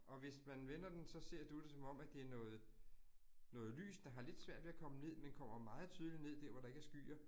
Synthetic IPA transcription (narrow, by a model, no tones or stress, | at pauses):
ʔɒ̽ʋe̝smænʋenɐd̥ensɒ̽se̝ɐ̰d̥ud̥e̝sɒ̽mɒ̽m̰æd̥e̝æɐnɔ̽ːð̩ˠ | nɔ̽ːð̞̩ˠly̰ːsd̥ɑ̈ɦɑ̈le̝d̥sʋæɐ̰d̥ʋe̝ːækʰɒ̽məne̝ð̰ˠmenkʰɒ̽m̰ɐmɑ̈ːð̩ˠt͡sʰyð̞ˠline̝ð̞̰ˠd̥æɐ̰ʋɒɾ̥ɑ̈e̝ɡ̥æɐsɡ̥y̰ːɐ